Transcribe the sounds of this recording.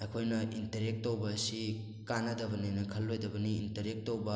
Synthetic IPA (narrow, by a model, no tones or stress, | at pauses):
ekʰojnɐintɐɾek̚tːowbɐːsi | kanɐdɐbɐninɐkʰɐlːojdɐbɐniːntɐɾek̚towbɐ